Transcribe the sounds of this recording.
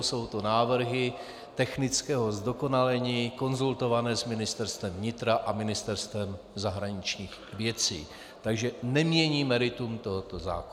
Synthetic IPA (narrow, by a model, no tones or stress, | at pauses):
so̞wt̪o̞naːvr̩ɦɪ | t̪ɛxnɪt͡skɛːɦo̞zdo̞ko̞nalɛɲiːko̞nzult̪o̞vanɛːsmɪnɪst̪ɛɾst̪vɛmvɲɪt̪ɾaʔamɪnɪst̪ɛɾst̪vɛm | zaɦɾaɲɪt͡ʃɲiːx | vjɛt͡sḭː | t̪aɡʒɛnɛmɲɛɲiːmɛɾɪt̪umt̪o̞ɦot̪oza̰ːko